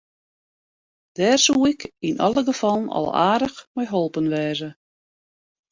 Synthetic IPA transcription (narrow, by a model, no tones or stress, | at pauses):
d̥ɛːrsuɪkinʔɑ̰lˠəɡəfɑlˠənɑ̰lˠa̰ːdəxmɛjɦolˠpənʋɛːzə